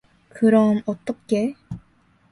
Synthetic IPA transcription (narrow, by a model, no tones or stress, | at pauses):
kɯɾʌmʌt̪͈ːʌk͈e